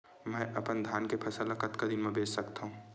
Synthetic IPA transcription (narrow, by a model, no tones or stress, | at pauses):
mɛ̃ːʔɐpənd̪ʱaːnkepʰɐsəlakɐt̪kad̪ɪnmɛ̃beːt͡ʃsɐkt̪aɦũː